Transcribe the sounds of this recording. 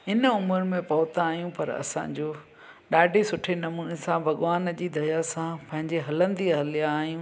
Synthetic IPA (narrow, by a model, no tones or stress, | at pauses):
ɪnəʊməɾmẽpɐʋʊt̪aːɦijũpɐɾɐ̰sã̰ɲd͡ʑoː | ɗaːɖʱisʊʈʰenɐmuːnesãbʱɐɠʋaːnd͡ʑiːd̪ʱɐjasãpɐ̃ɦɪ̃ɲd͡ʑeɦɐlə̃nd̪iɦɐlijaːɦijũː